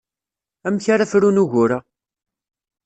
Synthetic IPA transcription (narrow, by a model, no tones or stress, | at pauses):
æmçaɾafɾunuʝʊɾa